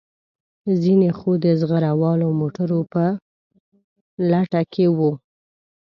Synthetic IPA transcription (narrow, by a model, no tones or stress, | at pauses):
zinexod̪əzɣaɾawɑlomoʈaɾopə | laʈakʰewu